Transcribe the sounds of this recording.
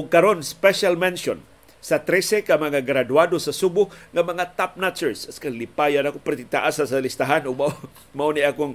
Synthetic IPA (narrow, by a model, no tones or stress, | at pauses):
ʔʊɡ̚kaɾonspɛʃalmɛnʃon | sat̪ɾɛsekamaŋaɡɾadwadosasubʊhŋamaŋat̪ap̚nat͡ʃɛɹsaskalipajanakopɛrt̪ɪt̪aʔasasalist̪aɦanʊɡ̚maʔo | maʔuniʔakʊŋ